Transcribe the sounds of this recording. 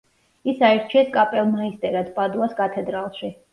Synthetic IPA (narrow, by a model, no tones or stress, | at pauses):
isaɛɾt͡ʃʰiɛskʼapʼɛlˠmaist̪ʼɛɾad̪pʼad̪uaskʼat̪ʰɛd̪ɾalˠʃi